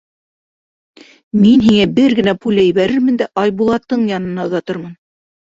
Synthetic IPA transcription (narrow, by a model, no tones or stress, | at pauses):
minɦiŋæbɘɾɡɘ̆næpulʲæjβæɾɘɾmɘ̆nd̪æʔɑjbulˠɑt̪ːɤɴjɑnɤ̆nɑŏðɑt̪ɤɾmɤn